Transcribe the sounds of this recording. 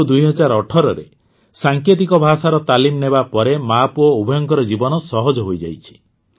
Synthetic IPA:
d̪ujɦɔd͡ʒaɾɔʈʰɔɾɔɾḛ | saŋket̪̬ikɔbʱasaɾɔt̪alimnebapɔɾemapuɔubʱɔjɔŋkɔɾɔd͡ʒibɔnɔsɔɦɔd͡ʒɔɦojd͡ʒa̰jt͡ʃʰi̥

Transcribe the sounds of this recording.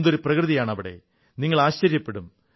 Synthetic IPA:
nd̪o̞ɾuprɐkrɨðijaːɳɐʋiɽe̞̰ | niŋːɐɭaːɕt͡ɕɐɾjɐpːe̞ɽum

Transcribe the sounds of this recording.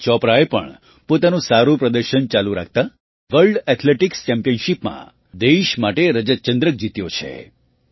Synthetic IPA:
t͡ʃɔpɾaepə̰ɳ | pot̪anũsaɾũpɾəd̪əɾʃənt͡ʃalũɾa̰k̚ʰt̪a | ʋəlɖɛt̪ʰleʈikst͡ʃɛmpijənʃipmã̰ | d̪eʃmaʈeɾəd͡ʒət̪̚t͡ʃənd̪ɾək̚d͡ʒit̪jot͡ʃʰḛ

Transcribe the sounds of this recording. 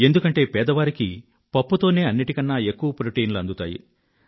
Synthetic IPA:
e̞nd̪ukɐɳʈe̞ːpɛːd̪ɐʋaːɾiki | pɐpːut̪o̞ːne̞ːɐnːiʈikɐnːaːe̞kːuʋɐpɾoʈiːnluɐnd̪ut̪aːjḭ

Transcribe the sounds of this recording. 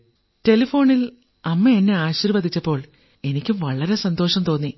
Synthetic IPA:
te̞lifo̞ːɳil | ɐmːeenːe̞aːɕiːɾʋɐd̪ʱit͡ɕːɐpːo̞ːɭ | e̞nikʲːumʋɐɭɐɾe̞sɐnd̪o̞ːʂɐmt̪o̞ːnːi

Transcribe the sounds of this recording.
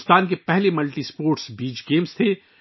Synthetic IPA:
st̪aːnk̬epɛɦlemɐlʈispoːɾʈsbiːd͡ʒɡeːmst̪ʰe

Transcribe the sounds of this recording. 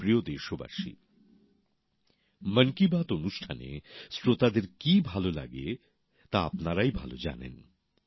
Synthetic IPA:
pɾiod̪eʃoba̰ʃḭ | məŋkibat̪onuʃʈʰanḛsɾot̪ad̪eɾkibʱalola̰ɡe | t̪aapnaɾajbʱalo̰d͡ʑa̰nḛn

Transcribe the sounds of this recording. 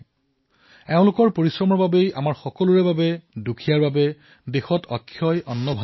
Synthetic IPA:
ɛʊ̃lʊkɔɹpoɹisɹɔmɔɹbabejamaɹxɔkɔluɹɛbabɛdukʰijaɹbabɛ | dexɔtʰɔkʰːjɔjʔɔnːɔbʱa

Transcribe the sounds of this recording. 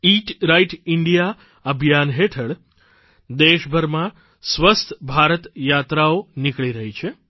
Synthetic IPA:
iʈɾaiʈɪɳɖija | əbʱjanɦeʈʰəɭ | d̪eʃbʱəɾmã | sʋəst̪ʰbʱaɾət̪jat̪ɾaonɪkɭiɾəɦit͡ʃʰe

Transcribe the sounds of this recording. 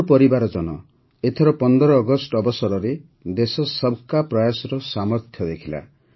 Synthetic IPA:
pɔɾibaɾɔd͡ʒɔnɔ | et̪ʰeɾɔpɔnd̪ɔɾɔːɡɔsʈɔbɔsɔɾɔɾe | d̪esɔsɔbkapɾɔjasɔɾɔsamɔɾt̪ʰjɔd̪ekʰila̰

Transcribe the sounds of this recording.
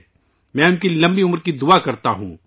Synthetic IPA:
mɛ̃ːʊnkilɐ̃mbiʊməɾkid̪ʊakɐɾt̪aɦṵ̃ː

